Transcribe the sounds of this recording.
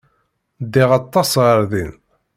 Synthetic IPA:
d̪iʁɑt̪ˤːɑsʁəɾðin

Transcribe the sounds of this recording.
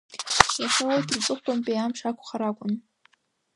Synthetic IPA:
aʂawojtʰrt͡sʼɨχʷpʼanpʼejamʂakʷʰʼχaɾakʷʼʊn

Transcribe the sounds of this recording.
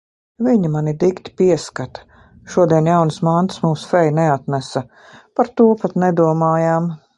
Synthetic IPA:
viɲimanʲid̪ikt̪ʲi̥piɛskat̪ḁ | ʃuɔd̪iɛnjawnsmant̪smuːsfɛjnɛat̪mæsɐ | paɾt̪uːpat̪nɛd̪uɔmaːjaːm

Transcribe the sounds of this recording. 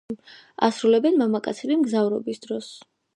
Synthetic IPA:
a̰sɾulɛbɛnmamakʼa̰t̪sʰilimɡzavɾɔbisd̪̥ɾɔs

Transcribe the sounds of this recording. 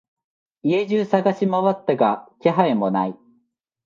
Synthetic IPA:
ie̞ʑɨːsaɡaɕimaβat̪ːaɡakʲeɦaemo̞na̰i

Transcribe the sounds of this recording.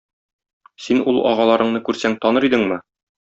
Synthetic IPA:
sinulˠɒ̰ʁɑlˠɑɾɤ̆ɴnɤkʉɾsæŋt̪ɒnɤɾid̪ɘŋmɘ

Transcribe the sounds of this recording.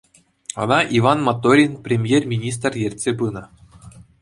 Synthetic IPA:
ɤ̆nɑʔivɑnmat̪ːoɾʲinpʲrʲemʲjermʲinʲis̬t̪rjerʲtʲsʲebɯnɤ̆

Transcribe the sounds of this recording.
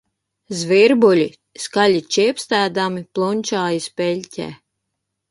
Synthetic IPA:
zviɾbulʲi | skalʲit͡ʃiɛpst̪æːd̪amiplˠunʲt͡ʃaːjispɛlʲcʲɛ̰ː

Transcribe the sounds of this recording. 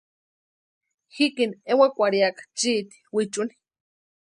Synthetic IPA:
hikiniewakʷaɾiakḁt͡ʃiːt̪i̥wit͡ʃuni̥

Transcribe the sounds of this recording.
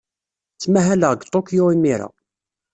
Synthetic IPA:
t͡sːmæɦæləʁəɡt̪ˤokjoimiɾa̰

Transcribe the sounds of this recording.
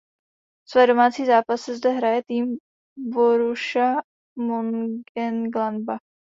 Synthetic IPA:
svɛːdo̞maːt͡siːzaːpasɛzdɛɦɾajɛt̪iːm | boɾuʃa | monɡɛnɡlanba

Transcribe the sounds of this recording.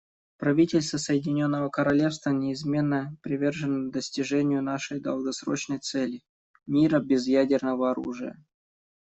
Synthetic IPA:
pɾɐvʲitʲɪlʲst̪vəsəjɪdʲɪnʲo̞nːəvəkəɾɐlʲe̞fst̪vənʲɪɪzmʲe̞nːəpɾʲɪvʲe̞rʐɨnəd̪əsʲtʲɪʐɛnʲɪjʊnaʂəjd̪ə̰lˠɡɐsɾo̞̰t͡ɕnəjt̪sɛlʲɪ | mʲiɾəbʲɪzjædʲɪrnəvəɐɾṵʐɨ̰jə̰

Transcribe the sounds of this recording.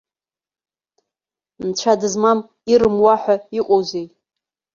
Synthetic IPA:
mt͡ʃʷʰadɨzmam | iɾɨmwaħʷaiqʷʼowzej

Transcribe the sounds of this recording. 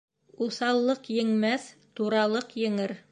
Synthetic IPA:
uθɑlˠːɤqjɘ̆ŋmæθt̪uɾɑlˠɤqjɘ̆ŋɘɾ

